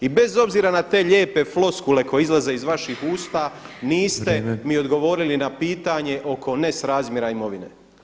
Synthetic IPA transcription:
ibe̞zo̞bziːɾanat̪e̞ːʎe̞ːpe̞flo̞skule̞ko̞jeizlaze̞izʋaʃihuːst̪a | niːst̪e̞mio̞d̪ɡo̞ʋo̞ːɾilinapiːt̪aɲe̞ʔo̞ko̞ne̞sɾaːzmjeɾaimo̞ʋinḛ

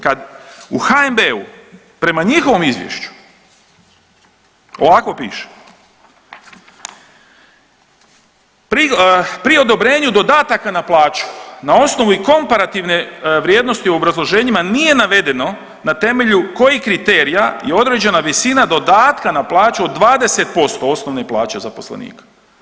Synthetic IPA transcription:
kad̪uxaembe̞u | pɾe̞maɲixoʋo̞mizʋjḛʃt͡ɕu̥ | o̞̰ʋakʋo̞pḭːʃe̥ | pɾipɾio̞d̪o̞bɾe̞ːɲud̪o̞d̪aːt̪akanaplˠaːt͡ʃu̥nao̞sno̞ʋuiko̞mpaɾat̪iʋne̞ʋɾʲjeːd̪no̞st̪iuo̞bɾazlˠo̞ʒe̞ːɲimanije̞naʋe̞d̪e̞no̞ | nat̪e̞me̞ʎuko̞jikɾit̪e̞ːɾiajeo̞d̪ɾe̞d͡ʑe̞naʋisinad̪o̞d̪aːt̪kanaplˠaːt͡ʃuod̪ːʋaːd̪e̞se̞t̪̚po̞st̪o̞o̞sno̞ʋneplˠaːt͡ɕe̞zapo̞slḛnḭːkḁ

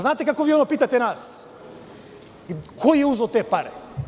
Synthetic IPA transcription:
znaːt̪ɛkakɔviɛɔnɔpit̪at̪ɛnas | kʰɔjɛuzɔt̪ɛpaɾɛ

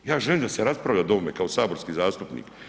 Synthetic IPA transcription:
jaːʒeliːmd̪aseɾaspɾavʎad̪o̞mekao̞saːbo̞ɾskizaːst̪upnḭːk

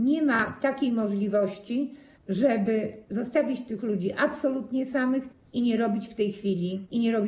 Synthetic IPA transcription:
ɲɛmat̪akʲejmɔʐlʲivɔɕt͡ɕi | ʐɛbɘzɔst̪avʲit͡ɕt̪ɘxlud͡ʑiʔapsɔlut̪ɲɛsamɘx | iɲɛɾɔbʲit͡ɕft̪ɛjxfʲilʲiiɲɛɾɔbʲi

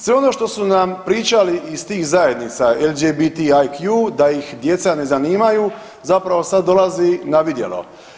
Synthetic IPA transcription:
sʋeono̞ʃt̪o̞sunampɾiːt͡ʃaliʔist̪iːxzaje̞d̪nit̪saeld͡ʒebit̪iajkjud̪ajixd̪je̞t̪sane̞zaniːmaju | zapɾaʋo̞sad̪̚ːo̞lazinaʋid̪je̞̰lo̞̰

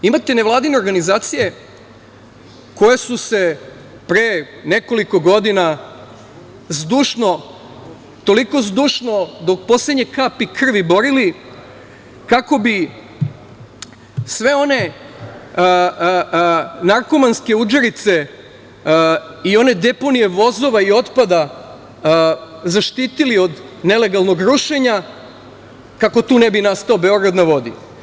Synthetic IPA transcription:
imat̪eneʋlˠaːd̪ine̞oɾɡanizaːt̪sije̞ | ko̞jesuse̞ | pɾe | ne̞ko̞liko̞ɡo̞d̪ina | zd̪uːʃno̞ | t̪o̞liko̞zd̪uːʃno̞d̪o̞k̚po̞sled̪ɲekapikr̩ʋibo̞ɾili | kako̞bi | sʋe̞o̞ne̞ | naɾko̞manske̞ud͡ʒeɾit̪se̞ | io̞ne̞d̪e̞po̞nije̞ʋo̞zo̞ʋaio̞t̪pad̪a | zaʃt̪iːt̪ilio̞d̪nele̞ɡalˠno̞ɡɾuʃe̞ɲa | kako̞t̪uːnebinast̪aobe̞o̞ɡɾad̪naʋo̞d̪ḭ

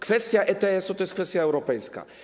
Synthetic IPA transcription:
kfɛst̪ʲjaʔɛt̪ɛɛsɔt̪ɔjɛskfɛst̪jaɛwɾɔpɛjska̰

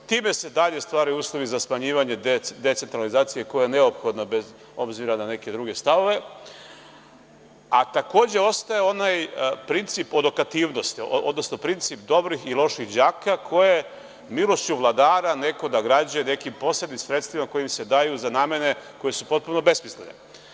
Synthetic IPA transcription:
t̪iːme̞se̞d̪aʎe̞st̪ʋaːɾajouːslˠo̞ʋizasmaɲiːʋaɲe̞d̪e̞t̪se̞nt̪ɾalizaːt̪sijekojejene̞opxo̞d̪nabe̞z | o̞bziɾanane̞ke̞d̪ɾuɡe̞st̪aʋo̞ʋe̞ | at̪ako̞ːd͡ʑe̞o̞st̪ajeo̞najpɾint̪sipod̪okat̪iːʋno̞st̪iod̪nosno̞pɾint̪sip̚d̪o̞bɾixilˠo̞ʃixd͡ʑaːkakʰo̞je̞ | milˠo̞st͡ɕuʋlˠad̪aːɾane̞ko̞d̪aɡɾad͡ʑujene̞kimpo̞sled̪nimsɾe̞t̪st̪ʋimako̞jimse̞d̪ajuzanaːme̞ne̞ko̞je̞supo̞t̪̚puno̞be̞smislenḛ

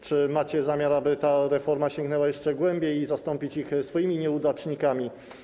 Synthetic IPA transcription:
t͡ʂɘmat͡ɕɛzamʲjaɾabɘt̪aɾɛfɔɾmaɕɛŋɡnɛwajɛʂt͡ʂɛɡwɛmbʲjejizast̪ɔmpʲit͡ɕixsfɔjimʲiɲɛud̪at͡ʂɲikamʲi

